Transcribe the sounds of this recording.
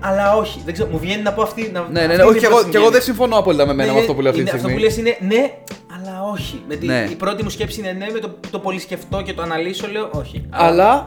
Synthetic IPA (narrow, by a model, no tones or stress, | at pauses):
ɐlɐo̞çiðeɡzeɾomuvʝe̞ninɐpo̞ɐft̪inɐneneneoieɣoeɣoðesiɱfo̞noɐpo̞lit̪ɐme̞menɐɐft̪o̞puleft̪ineɐsisɣt̪oiulesine̞ne̞ | ɐlɐo̞çimet̪ineipɾo̞t̪imusce̞psiinene̞met̪ot̪o̞po̞lisce̞ft̪o̞cet̪oɐnɐliso̞le̞o̞ʔo̞çiɐɐlɐ